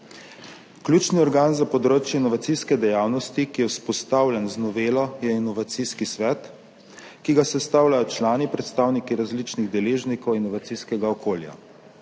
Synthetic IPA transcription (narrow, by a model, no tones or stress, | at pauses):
klʲjut͡ʃniɔɾɡanzapɔd̪ɾoːt͡ʃjɛinɔʋat̪siskɛd̪ɛjaːwnɔst̪ikijɛwspɔst̪awlʲjɛnznɔʋeːlɔjɛinɔʋat̪siskisʋɛt̪ | kiɡasɛst̪aːwlʲajɔt͡ʃlaːnipɾɛt̪st̪aːwnikiɾazlit͡ʃniɣd̪ɛleːʒnikɔwinɔʋat̪siskɛɡaɔkoːlja̰